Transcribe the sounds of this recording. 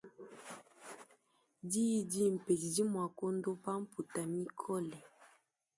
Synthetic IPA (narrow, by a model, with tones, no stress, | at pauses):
di˦di˦m̩˨pe˨i˨di˦mwa˨ko˦ndo˦pa˦m̩˦pu˨ta˨mi˦kʰɔ˦lɛ˨